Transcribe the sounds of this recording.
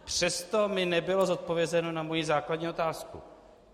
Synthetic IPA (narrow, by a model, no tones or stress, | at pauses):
pr̝̥ɛst̪omɪnɛbɪlo̞zot̪̚po̞vjɛzɛno̞namojizaːkladɲiːo̞t̪aːskṵ